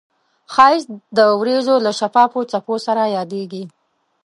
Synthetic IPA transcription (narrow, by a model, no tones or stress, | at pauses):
xɑjɪsd̪əwɾezolaʃafɑfot͡saposaɾajɑd̪eɡi